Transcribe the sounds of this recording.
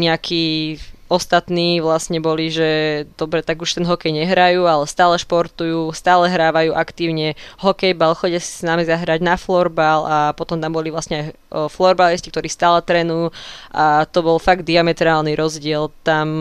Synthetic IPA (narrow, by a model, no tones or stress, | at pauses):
ɲɛakʰiːɔst̪at̪niːʋlasɲɛbɔliʒɛd̪̥ɔbɾɛt̪aɡuʃt̪ɛnɦɔkɛjɲɛɦɾajuːalɛst̪aːlɛʃpɔɾt̪ujuːst̪aːlɛɦɾaːʋajuːʔakt̪iːʊɲɛɦɔkɛjbalxɔɟɛsi̥snamizaɦɾaɟnaflɔɾbalapɔt̪ɔmt̪ambɔliʋlasɲɛaj | flɔɾbaliscik̚t̪ɔɾiːst̪aːlɛt̪ɾɛnujuʔat̪ɔbɔlfaɡ̚d̪d̪iamɛt̪ɾaːlniɾɔzɟɪɛlt̪am